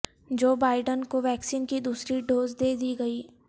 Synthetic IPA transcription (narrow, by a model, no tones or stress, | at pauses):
d͡ʒoːbaːɪɖənkoʋɛːksiːnkid̪uːsɾiɖoːzd̪eːd̪iɡɐiː